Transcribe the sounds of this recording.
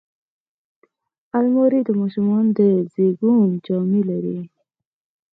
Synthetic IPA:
almoɾid̪əmɑʃumɑnd̪əzeɡund͡ʒɑmilaɾi

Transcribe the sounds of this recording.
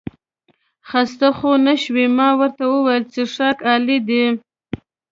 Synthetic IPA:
xast̪axonaʃwimɑwəɾt̪awəwajəlt͡seʂɑkɑlid̪i

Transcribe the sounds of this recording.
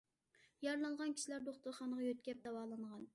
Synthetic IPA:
jɑɾlˠɑɴʁɑnkʲʰi̥ʃilæɾd̪oχt̪ʊɾχɑːnəʁɑjøt̪̚kʲɛp̚d̪ɛwɑːlˠɨŋʁɑn

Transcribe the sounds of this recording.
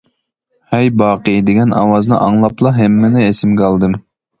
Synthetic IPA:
hɛjbɑːqɨd̪ɪɡʲɛnʔɑ̰wɑznɨʔɑŋlˠɑplˠɑɦɛmːɪnɪesɪmɡʲɑlˠd̪ɨm

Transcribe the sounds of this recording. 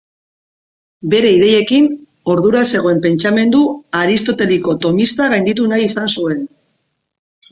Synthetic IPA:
be̞ɾe̞iðe̞je̞kin | o̞ɾðuɾase̞ɣ̞o̞e̞mpe̞nt͡ʃame̞nd̪uaɾist̪o̞t̪e̞liko̞t̪o̞mist̪aɣajnd̪it̪̬unajisansue̞n

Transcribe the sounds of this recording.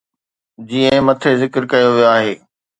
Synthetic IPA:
d͡ʑiːə̃mɐt̪ʰezɪkɪɾkɐjoʋijoaːɦeː

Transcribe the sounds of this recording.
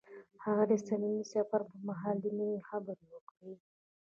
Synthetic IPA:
haɣad̪əsanimisafaɾpəmaɦɑld̪enəwixabəɾwəkwi

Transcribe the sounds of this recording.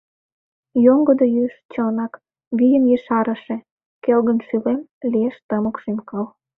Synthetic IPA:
joŋɡəd̪ojyʃt͡ɕɤnɑk | βijənjeʃɑɾə̆ʃe | kelɣənʃylemlieʃt̪ɑməkʃimkɑl

